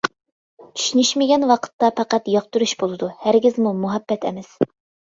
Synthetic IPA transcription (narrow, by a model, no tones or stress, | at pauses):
t͡ʃʰy̥ʃynyʃmɪɡʲɛnwɑqʰə̥t̪ːɑpʰɑqæt̪jɑq̚t̪uɾuʃbolˠɨd̪uhæɾɡʲizmumuɦɛbːɛt̪ʰɛ̰mɪs